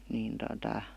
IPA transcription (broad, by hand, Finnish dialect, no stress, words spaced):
niːn totɑ